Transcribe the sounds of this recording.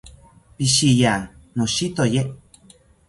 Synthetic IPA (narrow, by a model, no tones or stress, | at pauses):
piʃijanoʃit̪oje